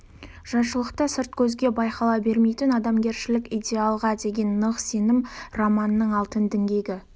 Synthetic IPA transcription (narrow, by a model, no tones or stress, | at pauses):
ʒ̥ɑʃəlˠəqt̪əsɪɾt̪̚kʲʰɵzɡʲe̞bɑjqɑlˠɑbe̞ɾme̞jt̪ɪnɑd̪ɑmɡʲe̞ɾʃɪlɪkʲijd̪ʲe̞alˠʁɑd̪e̞ɡʲe̞nːəqse̞nɪmromɑnənːəɴɑlˠt̪ənd̪ɪŋɡʲe̞ɡʲɪ